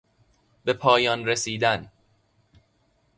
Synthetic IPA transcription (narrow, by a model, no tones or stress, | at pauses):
be̞pʰɒːjɒːnɾesiːd̪æn